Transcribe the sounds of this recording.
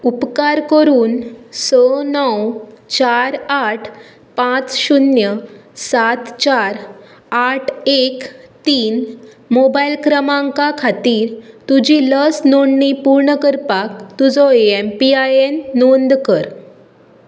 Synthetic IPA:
upkaɾkəɾuːnsənəwt͡ɕaɾaʈʰ | pãt͡sɕunjəsat̪t͡ɕaɾ | aʈʰekt̪iːn | mobajlkɾəmãŋkakʰat̪iːɾt̪ud͡ʑiləsnoɳɖːipuɾɳəkəɾpak̚t̪ud͡zɔeempiajenːond̪kəɾ

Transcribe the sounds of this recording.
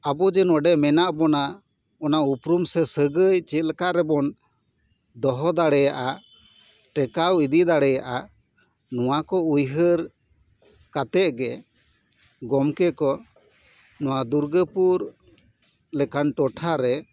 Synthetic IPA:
abɔd͡ʒɛnɔɖɛʔmɛnaʔbɔna | ɔnaupɾumsɛsəɡəjt͡ʃɛt̪̚lkaʔɾɛbɔn | d̪ɔɦɔd̪aɽɛjaʔa | ʈɛkawid̪id̪aɽɛjaʔa | nɔwakɔujɦəɾ | kat̪ɛʔɡɛ | ɡɔmkɛkɔ | nɔwad̪uɾɡəpuɾ | lɛkanʈɔʈʰaɾɛ

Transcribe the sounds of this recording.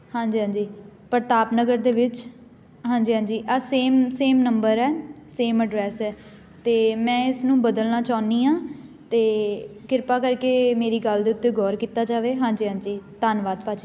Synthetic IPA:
hãːɲd͡ʒiːɦãːd͡ʒiːpəɾt̪aːpnəɡəɾd̪eːʋɪt͡ʃ | ɦãːɲd͡ʒiːɦãːd͡ʒiːʔaːseːmseːmnəmbəɾɛːseːməɖɾɛːsɛː | t̪eːmɛ̃ːɪsnũːbəd̪əlnaːt͡ʃaːniːãːt̪eːkɪɾpaːkəɾkeːmeːɾiːɡəld̪eːʊt̪ːeːɡɔːɾkiːt̪aːd͡ʒaːʋeːɦãːɲd͡ʒiːɦãːd͡ʒiːt̪aːnʋaːd̪paːt͡ʃi

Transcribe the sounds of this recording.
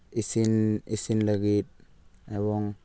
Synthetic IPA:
isinisinlɐɡit̪̚eβoŋ

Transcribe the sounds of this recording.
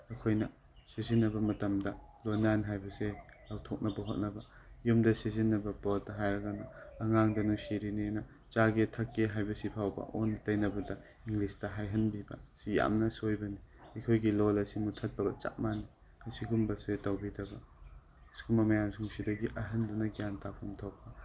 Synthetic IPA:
ɐkʰojnɐ | sezinːɐbɐmɐtɐmdɐlonanɦajbɐselawtʰok̚nɐbɐɦot̚nɐbɐ | jumdɐsizinːɐbɐpot̚dɐɦajɾɐɡanɐɐŋaŋdɐnusiɾinenɐ | t͡ʃaɡetʰɐkːeɦajbɐsipʰawbɐ̰ʔonːtɐjnɐbɐdɐ | iŋɡlistɐɦajɦɐnbibɐ̰sija̰mnɐsojbɐniɐjkʰojɡilolɐsimutʰɐt̚bɐɡɐt͡ʃa̰k̚mani | ɐsiɡumbɐsetɐwbidɐbɐ | skumɐmɐjamsuŋsidɐɡiʔɐɦɐndunɐɡijantʰapʰumtʰopːɐ

